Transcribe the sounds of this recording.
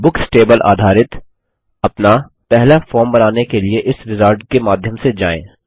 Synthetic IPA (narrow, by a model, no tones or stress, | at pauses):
bʊksʈeːbəlʔa̰ːd̪ʱaːɾɪt̪ | ɐpna | pɛɦlafɔːɾmbɐnaːnekelieʔɪsɾɪzəːɾɖkemaːd̪ʱjəmsed͡ʒa̰ːḛ̃ː